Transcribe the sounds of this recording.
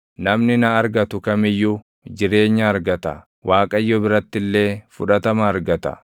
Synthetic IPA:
nɐmnɪnɐːɾɡɐt̪ʊkɐmɪjːu | d͡ʒɪɾe̞ːɲːɐːɾɡɐt̪ɐ̰ | waːkʼɐjːɔbɪɾɐt̪ːɪlːe̞ːfʊᶑɐt̪ɐmɐːɾɡɐt̪ɐ̰

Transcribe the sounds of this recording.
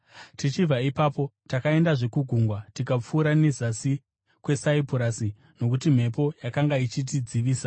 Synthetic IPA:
tit͡ʃivʱaipaːpo̞takae̞ndaʐe̞kuɡʱuŋɡwatikap͡fuːɾanezasi | kwe̞saipuɾasi | no̞kut̬im̤e̞po̞jakaŋɡait͡ʃit̬id͡ziʋiːsa

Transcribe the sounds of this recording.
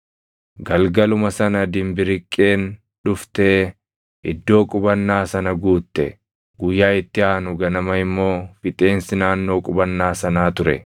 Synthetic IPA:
ɡɐlɡɐlʊmɐsɐnɐd̪ɪmbɪɾɪkʼːe̞ːn | ᶑʊft̪e̞ː | ɪ̰d̪ːo̞ːkʼʊbɐnːaːsɐnɐɡuːt̪ːɛ̰ | ɡ̥ʊjːaːɪt̪ːɪaːnʊɡɐnɐmɐɪmːo̞ːfɪt̪ʼe̞ːnsɪnaːnːo̞ːkʼʊbɐnːaːsɐnaːt̪ʊɾɛ̰

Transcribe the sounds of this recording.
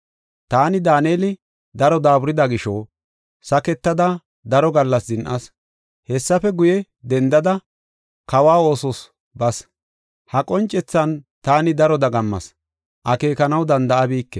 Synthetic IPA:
t̪aːnɪd̪aːneːlɪ | d̪ɐɾɔd̪aːbʊɾɪd̪ɐɡɪʃoː | sɐkɛt̪ːɐd̪ɐ | d̪ɐɾɔɡɐlːɐsd̪ɪnʔɐs | hɛsːɐfɛɡʊjɛ | d̪ɛnd̪ɐd̪ɐ | kɐwaːo̞ːsɔs | bɐs | hɐkʼɔnt͡ʃʼːɛt͡sːɐnt̪aːnɪd̪ɐɾɔd̪ɐɡɐmːɐ̰s | ʔɐke̞ːkɐnɐwd̪ɐnd̪ɐʔɐbiːkːɛ

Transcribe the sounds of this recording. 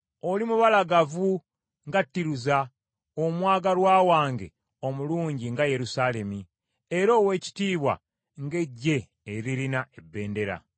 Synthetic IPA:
o̞limuβalaɡavu | ŋɡatːiɾuza | omwaːɡalwaːwaːŋɡe̞̰ | o̞muluːɲɟiŋɡaje̞ɾusale̞mi | eɾo̞ːwe̞ːci̥tiːβwa̰ | ŋɡe̞ɟːe̞ː | ɾiɾinae̞bːe̞ːnde̞ɾa̰

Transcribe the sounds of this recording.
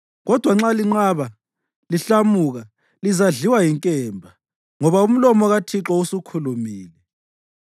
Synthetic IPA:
ɣɔd̥ʱwaŋ͡ǁaliŋ͡ǁaβa | liɬamuːɣa | lizaɮiwajiŋkʼɛːmbʱa | ŋɔβaum̩lɔmɔɣatʰiǁɔusukʰulumiːlɛ

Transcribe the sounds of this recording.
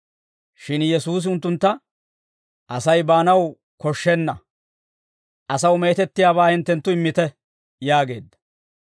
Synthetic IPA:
ʃɪnjɛsuːs̬ɪʊnt̪ːʊnt̪ːɐ | ʔɐsɐjbaːnɐw | kɔʃːɛnːɐ | ʔɐsɐwmeːt̪ɛt̪ːɪjaːβaːhɪnt̪ːɛnt̪ːʊɪmːɪt̪ɛ | jaːɡe̞̰ːd̪ːɐ̥

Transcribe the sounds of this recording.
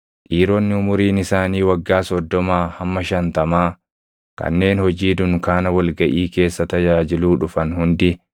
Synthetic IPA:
ᶑiːɾɔnːɪʊmʊɾiːnɪsaːniːwɐɡːaːsɔd̪ːɔmaːhɐmːɐʃɐnt̪ɐmaː | kɐ̰nːe̞ːnhɔd͡ʒiːd̪ʊŋkaːnɐwɐlɡɐʔiːke̞ːsːɐt̪ɐd͡ʒaːd͡ʒɪluːᶑʊfɐnhʊnd̪ɪ

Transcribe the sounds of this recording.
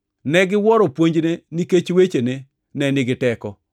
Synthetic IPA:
nɛɡɪwɔɾɔpwoɲd͡ʒneniket͡ʃwet͡ʃene | nɛnɪɡɪtɛkɔ

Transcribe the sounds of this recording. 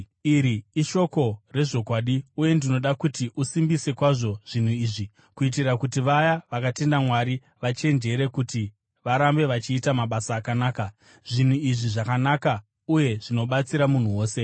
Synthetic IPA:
iɾiːʃo̞ko̞re̞ʐo̞kwaːɗiuje̞ndino̞ɗakutiʔusimbise̞kwaʐo̞ʐ̥in̤uiːʐi | kuit̬irakutiʋajaʋakate̞ndamwaɾi | ʋat͡ʃe̞nd͡ʒe̞ɾe̞kuti | ʋaɾambe̞ʋat͡ʃiːtamaɓasaːkanaːka | ʐin̤uiʐiʐakanaka | uje̞ʐino̞ɓat͡siɾamun̤uwo̞ːse̞

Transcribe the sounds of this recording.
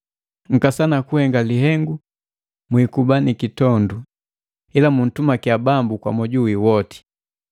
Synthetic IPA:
ŋ̩kasanakuhɛŋɡaliɦɛŋɡu | mwikubanikitɔndu | ilamun̩tumakiabambukwa̰mɔɟuwiwɔti̥

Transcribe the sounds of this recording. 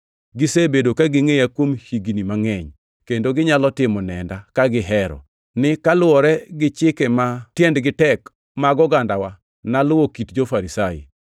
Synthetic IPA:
ɡɪsebedokaɡɪŋejakwomhiɡnimaŋɛɲ | kendoɡɪɲalɔtɪmɔnɛ̰ndakaɡɪɦɛɾɔ̰ | nɪkalʊɔɾɛɡɪt͡ʃɪkɛmatjɛndɡɪtɛk | maɡɔɡandawa | nalʊwokitd͡ʒofaɾisajḭ

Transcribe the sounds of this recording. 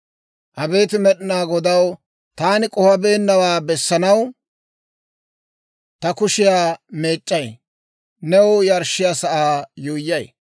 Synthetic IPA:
ʔɐbe̞ːt̪ɪmɛɗɪnaːɡɔd̪ɐw | t̪aːnɪkʼɔhɐbe̞ːnːɐwaːbɛsːɐnɐw | t̪ɐkʊʃɪjaːmeːt͡ʃʼːɐj | nɛwʊjɐɾʃːɪjasɐʔaːjujːɐj

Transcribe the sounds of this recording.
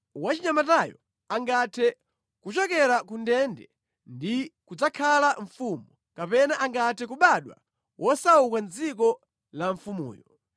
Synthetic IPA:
wat͡ʃiɲamatajɔ̰ | aŋɡatʰɛ | kut͡ʃɔkɛɾakundɛndɛ | ndikud͡zakʰalaɱfumu | kapɛnaʔaŋɡatʰɛk̬uɓaɗwa̰ | wʔɔsaukanzik̬ɔ | laɱfumṵːjɔ

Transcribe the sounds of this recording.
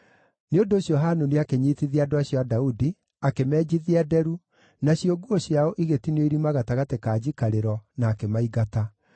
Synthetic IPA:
neondoːɕjɔɦanuneakeɲiːtiðiadoaɕjɔadaudi | akemɛːd͡ʑiðiɛdɛɾu | naɕjoɡuoɕjaoʔiɣetinweiɾimaɣataɣatekaːd͡ʑikaɾeɾɔnaːkemaiɣata

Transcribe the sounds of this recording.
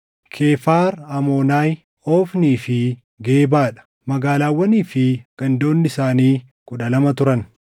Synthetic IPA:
kʰe̞ːfaːɾɐmo̞ːnaːj | oːfniːfɪ | ɡe̞ːbaːᶑɐ̥ | mɐɡaːlaːwːɐniːfɪɡ̥ɐnd̪o̞ːnːɪsaːniː | kʊᶑɐlɐmɐt̪ʊɾɐn

